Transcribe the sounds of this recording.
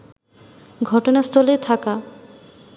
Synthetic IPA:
ɡʱɔʈonast̪ʰɔlet̪ʰaka

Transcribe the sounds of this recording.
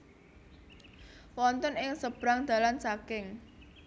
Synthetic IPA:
wɔnt̪ɔnɪŋsəb̥ɾaŋd̪̥ä̤lansakɪŋ

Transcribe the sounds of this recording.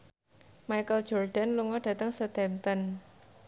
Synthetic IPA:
majkəl̥d͡ʒɔrɖa̤nluŋɔɖ̥ä̤t̪əŋsət̪ɛmt̪ən

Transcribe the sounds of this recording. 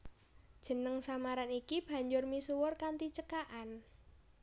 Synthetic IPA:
d̥ʒ̥ə̤nəŋsamaɾanikib̥ä̤ɲd͡ʒʊrmisuwʊrkant̪it͡ʃəkaʔan

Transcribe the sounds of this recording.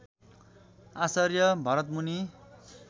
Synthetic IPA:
asʌrjʌbʱʌɾʌt̪muni

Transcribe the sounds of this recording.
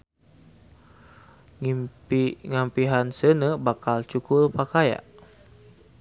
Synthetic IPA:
iŋampiɦansənəbakalt͡ʃukʊlpakaja̰ʔ

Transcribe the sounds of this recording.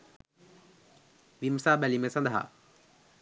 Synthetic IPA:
ʋimsaːbælimesɐnd̪ʱɦa̰

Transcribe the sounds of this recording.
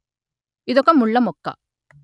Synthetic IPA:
ɪðɔkːɐmuɭːɐmɔkːɐ̰

